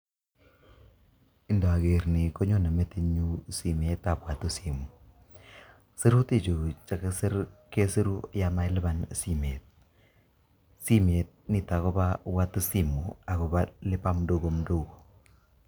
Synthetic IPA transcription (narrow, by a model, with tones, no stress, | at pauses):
ɪ˦ndo˨a˨ke˨ɾni˨ko˦ɲo˦˨na˨me˦ti˦ɲu˦si˨m˨e˨˦ta˨pwa˨tu˦si˨mu˨ | se˦ɾu˦ti˦˨t͡ʃu˨t͡ʃa˦kɪ˦sɪ˦ɾke˦se˦ɾu˦ja˨ma˦jlɪ˦ba˨nsi˨me˨t̚ | si˦m˨e˨t̚ni˨ta˨ko˦ba˦wa˦tu˦si˦˨mu˨a˨kɔ˨ba˦lɪ˦pa˦m˦do˦ɡo˨m˦do˦ko̥˨